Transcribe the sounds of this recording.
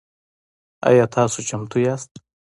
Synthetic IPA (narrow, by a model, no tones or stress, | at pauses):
a̰jɑːt̪ʰɑːsot͡ʃamt̪ujaːst̪̚